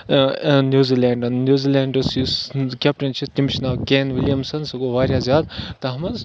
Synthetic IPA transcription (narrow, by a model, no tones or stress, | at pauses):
njuːziːleːɳɖɐnːjuːziːleːɳɖɐsuskʲap̚ʈɐnt͡ʃʰit̪imt͡ʃʰnaːkeːnʋiljɐmsɐnsɐɡoːʋaːɾʲjaːzʲjaːd̪t̪ɐɦɐmɐz